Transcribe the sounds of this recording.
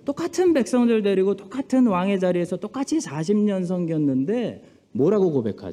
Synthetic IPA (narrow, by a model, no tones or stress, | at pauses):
t͈ok͈atʰɯnbe̞k̚s͈ʌŋdɯɭde̞ɾiɡot͈ok͈atʰɯnwaŋe̞d͡ʑaɾie̞sʰʌt͈ok͈at͡ɕʰisʰaɕ̬ʰimɲʌns̬ʰʌŋɡiʌnːɯnde̞ | mʌɾaɡokobe̞kʰa̰d͡ʑ